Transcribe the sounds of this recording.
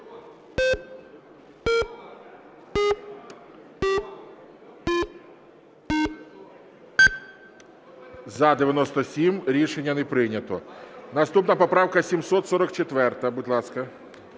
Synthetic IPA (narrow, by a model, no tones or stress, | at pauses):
zɐd̪eɪʋʲjɐnɔst̪ɔsʲimɾʲiʃenʲːɐnɛpɾɪnʲɐt̪ɔnɐst̪upnɐpɔpɾɑwkɐsʲimsɔt̪sɔɾɔkt͡ʃet̪ʋɛrt̪ɐbudʲlˠɑskɐ